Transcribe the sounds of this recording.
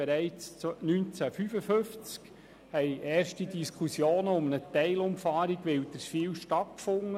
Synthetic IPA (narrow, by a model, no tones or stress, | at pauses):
beɾɛɪt͡st͡snynt͡sæfyfəfɵft͡sk | hɛɪʔɛːɾʃtidiskχusjoːnəʊmənətɛɪlʊmfɑːɾiɡʋɪwd̪əsfiːwʃtɑt̪̚kfʊŋːə